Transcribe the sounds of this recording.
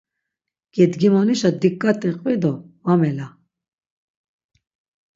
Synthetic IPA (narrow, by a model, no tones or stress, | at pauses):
ɡ̥ɛd̪ɡimaniʃad̪ikʼːat̪ʼɛqʼvɛd̪ɔamɛla